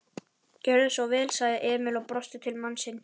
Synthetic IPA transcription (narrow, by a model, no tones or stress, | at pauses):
cœɾðʏsvɔwvɛːlsaːɣðɪʔɛːmɪlɔɣpɾɔst̪ɪt̪ʰɪlmanːsɪn